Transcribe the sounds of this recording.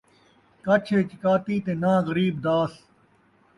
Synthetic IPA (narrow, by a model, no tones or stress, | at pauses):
kɐt͡ʃʰeːt͡ʃɪkaːt̪iːt̪eːnãːɣəɾiːbd̪aːs